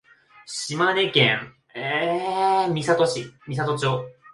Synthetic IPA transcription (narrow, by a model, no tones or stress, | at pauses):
ɕimane̞kḛ̃ŋ | e | mʲisat̪o̞ɕimʲis̬at̪o̞t͡ɕoː